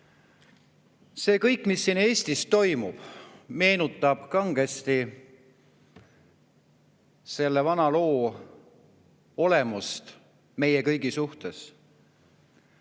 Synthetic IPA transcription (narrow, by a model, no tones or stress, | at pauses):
se̞ːkɤ̞jkːˑmisːiːne̞ːsʲt̪ist̪o̞jmub̥me̞ːnut̪ːˑɑb̥kɑŋɡ̥e̞st̪i | se̞lːevɑnɑlo̞ː | o̞le̞must̪ | me̞jekɤjɡisuht̪e̞s